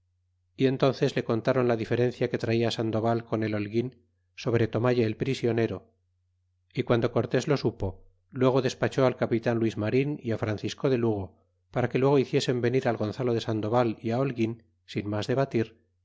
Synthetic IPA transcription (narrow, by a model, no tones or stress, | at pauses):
ie̞nt̪o̞nθe̞zle̞ko̞nt̪aɾo̞nlaðife̞ɾẽ̞n̟θjake̞t̪ɾaiaːsand̪o̞βalko̞ne̞lo̞lɣin | so̞β̞ɾe̞t̪o̞maʎaːlpɾisjo̞ne̞ɾo̞ | ikwand̪o̞ko̞ɾt̪e̞zlo̞supo̞ | lwe̞ɣ̞o̞ðe̞spat͡ʃo̞alkapit̪anlwizmaɾiniafɾanθisko̞ðe̞luɣ̞o | paɾake̞lwe̞ɣ̞o̞iθje̞se̞mbe̞niɾalɣo̞nθalo̞ðe̞sand̪o̞βaliaolɣin | sinmazðe̞β̞at̪iɾ